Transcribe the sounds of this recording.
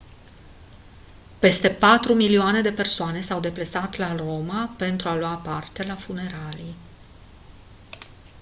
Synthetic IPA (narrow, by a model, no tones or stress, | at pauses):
pe̞st̪e̞pat̪ɾumilioane̞d̪e̞pe̞rsoane̞sawd̪e̞plesat̪laro̞mape̞nt̪ɾualowapart̪e̞lafune̞ɾalij